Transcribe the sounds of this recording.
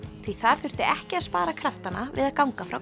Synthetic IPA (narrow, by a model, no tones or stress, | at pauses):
θviθaɾ̥θʏr̥t̪ɪʔɛhcɪaðspaːɾakʰɾaft̪anavɪ̰ðaðkawŋkafɾaw